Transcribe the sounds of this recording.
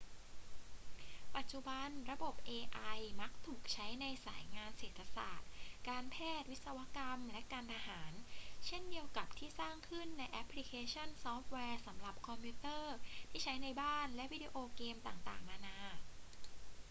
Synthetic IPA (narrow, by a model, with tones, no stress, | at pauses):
pa˨˩t̪̚t͡ɕu˨˩ba˧nɾa˧bo˨˩p̚ʔeː˧ʔa˧jma˦˥k̚t̪ʰuː˨˩k̚t͡ɕʰa˦˥jna˧jsaː˩˦jŋaː˧nseː˨˩t̪ʰːa˧sa̰ː˨˩t̪̚kaː˧npʰɛː˥˩t̪̚wi˦˥t̪̚sa˧wa˦˥ka˧mlɛ˦˥kaː˧nt̪ʰa˧haː˩˦nt͡ɕʰe˥˩ndi˧əwka˨˩p̚t̪ʰiː˥˩saː˥˩ŋkʰɯ˥˩nːa˧jʔɛ˦˥pʰli˦˥kʰeː˧t͡ɕʰɔ˥˩nsɔː˦˥p̚wɛː˧sa˩˦mɾa˨˩p̚kʰɔ˧mpʰju˦˥t̪ɤː˥˩t̪ʰiː˥˩t͡ɕʰa˦˥jna˧jbaː˥˩nlɛ˦˥ʔwiː˦˥di˧ʔoː˧keː˧mt̪aː˨˩ŋt̪a̰ː˨˩ŋmaː˧naː˧˥